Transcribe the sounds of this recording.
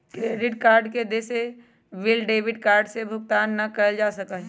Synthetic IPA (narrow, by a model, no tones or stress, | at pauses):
kɾeːɖɪʈkaːɾɖked̪eːse | ʋɪlɖeːʋɪɖkaːɾɖsebʱʊk̚t̪aːnːɐkɐɾəld͡ʒaːsɐkə̃